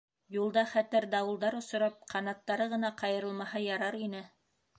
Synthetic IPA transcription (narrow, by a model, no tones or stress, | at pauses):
julˠd̪ɑχæt̪ɘɾd̪ɑwɤ̆lˠd̪ɑɾŏsŏɾɑp̚qɑnɑt̪ːɑɾɤʁɤ̆nɑqɑjɤ̆ɾɤ̆lˠmɑɦɑjɑɾɑɾinɘ